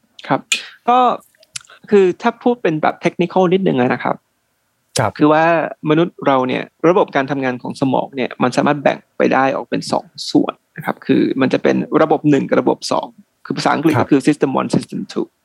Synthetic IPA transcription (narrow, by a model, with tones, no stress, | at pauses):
kʰa˦˥p̚kɔː˥˩ | kʰɯː˧t̪ʰaː˥˩pʰuː˥˩t̪̚pe˧nbɛ̰ː˨˩p̚t̪ʰe˦˥k̚ni˦˥kʰaː˥˩wni˥t̪̚nɯ˨ŋla˦˧na˦˥kʰa̰˦˥p̚ | kʰɯː˧waː˥˩ma˧nu˦˥t̪̚ɾa˧wni˥˩ɐɾa˧bo˨˩p̚kaː˧nt̪ʰa˧mŋaː˧nkʰɔː˩˦ŋsa˧mɔ̰ː˩˦ŋni˥˩ɐma˧nsaː˨˦maː˥˩t̪̚bɛ̰˨˩ŋpa̰˧jdaː˥˩jʔɔ̰ː˨˩k̚pe˧nsɔ̰ː˩˦ŋsṵ˨˩ənːa˦˥kʰa̰˦˥p̚kʰɯː˧ma˧nt͡ɕa˨˩pe˧nɾa˧bo˨˩p̚nɯ˨˩ŋka˨˩ɾa˧bo̰˨˩p̚sɔ̰ː˩˦ŋ | kʰɯː˧a˧˩saː˧˦ʔkli˨˩kɔː˥kʰɯː˧si˦˥st̪e˧mwɔ̰˧nsi˦st̪e˧˩nt̪ʰṵː˧˩